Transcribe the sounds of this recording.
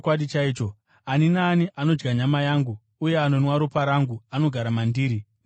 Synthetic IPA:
kwaɗit͡ʃaiːt͡ʃo̞ | aninaːniʔano̞d͡ʒɡaɲamajaːŋɡuː | je̞ano̞nwaɾupaɾaŋɡuano̞ɡʱaɾamandiːɾi

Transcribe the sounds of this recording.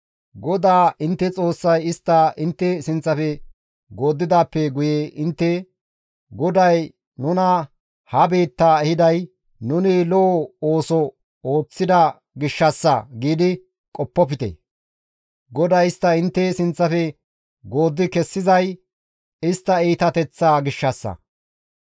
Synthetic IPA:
ɡɔd̪aːʔɪnt̪ːɛt͡sʼo̞ːsːɐjɪst̪ːɐʔɪnt̪ːɛsɪnt͡sːɐfɛ | ɡo̞ːd̪ːɪd̪aːpːɛɡʊjeʔɪnt̪ːɛ | ɡɔd̪ɐj | nʊnɐ | hɐbe̞ːt̪ːaːɛhɪd̪ɐj | nʊnɪlɔoːsɔ | oːt͡sːɪd̪ɐ | ɡɪʃːɐsːɐɡiːd̪ɪ | kʼɔpːɔp̬ɪt̪ḛ | ɡɔd̪ɐjɪst̪ːɐɪnt̪ːɛsɪnt͡sːɐfɛ | ɡo̞ːd̪ːɪkɛsːɪzɐj | ɪst̪ːɐiːt̪ɐt̪ɛt͡sːaːɡɪʃːɐsːɐ̰

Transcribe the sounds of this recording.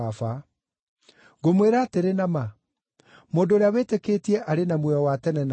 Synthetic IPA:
afa | ɡomweɾaːteɾenama | moːndoːɾeaweteketiɛʔaɾenamwɛɔwatɛnɛn

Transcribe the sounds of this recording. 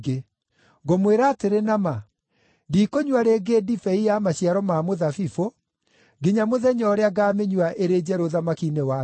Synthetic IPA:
ɡe | ɡomweɾaːteɾenama | diːkoɲwaɾeɡeːdifɛijamaɕiaɾɔmamoðafifo | ɡeɲamoðɛɲɔːɾeaɡaːmeɲuaʔeɾed͡ʑɛɾoðamakinewa

